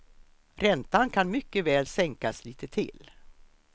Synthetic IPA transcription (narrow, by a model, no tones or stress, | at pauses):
ɾɛnt̪ankʰanmʏkːəvɛːlsɛŋkasliːt̪ət̪ʰɪ̰l